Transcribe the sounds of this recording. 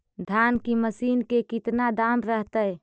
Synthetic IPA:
d̪ʱankiməsiːnkekɪt̪nad̪aːmɾəɦt̪əj

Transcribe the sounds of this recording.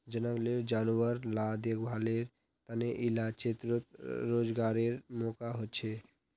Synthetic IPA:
d͡ʒənəɡleɾd͡ʒanuəɾlad̪eɡbʱaleɾ | t̪aneʔilat͡ʃet̪ɾot̪̚ɾod͡ʒɡaɾeɾmokaɦot̪ːt͡ʃʰe

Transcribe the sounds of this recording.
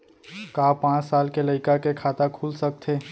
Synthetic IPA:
kaːpãːt͡ʃsaːlkelɐɪkakekʰaːt̪akʰuːlsɐk̚t̪ʰeː

